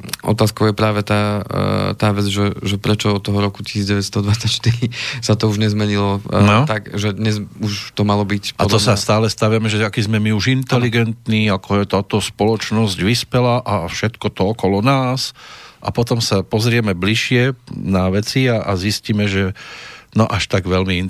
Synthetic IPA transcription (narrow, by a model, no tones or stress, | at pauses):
ɔ̰t̪aːskɔʊjɛpɾaːʋɛt̪aːt̪aːʋɛd͡zʒɛʒɛpɾɛt͡ʃɔɔt̪ːɔɦɔɾɔku̥ci̥siːd͡zɟɛʋɛtst̪ɔd̪ʋat͡sːacʃt̪iɾisat̪ɔuʒɲɛzmɛɲilɔɔt̪akʒɛd̪ɲɛzuʃt̪ɔmalɔbicpʔa̰t̪ɔsast̪aːlɛst̪aʋamɛʒɛakizmɛmiuʒint̪ɛliɡɛnt̪niːakɔɛt̪aːt̪ɔspɔlɔt͡ʃnɔzɟʋispɛlaʔafʃɛt̪kɔt̪ɔɔkɔlɔnaːsʔa̰pɔt̪ɔmsapɔzɾɪɛmɛbliʃɪɛnaʋɛt͡siaʔazisciːmɛʒɛnɔʔaʃt̪aɡʋɛlmin